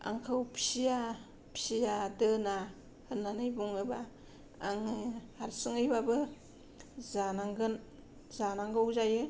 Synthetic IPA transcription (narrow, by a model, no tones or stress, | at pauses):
a̰ŋkʰɯwpʰi̥sija | pʰisijadɯna | hɯnːanɯjbuŋɯbaː | ŋɯhaɾsɯŋɯjbabɯ | zanaŋɡɯn | zanaŋɡɯwzajɯ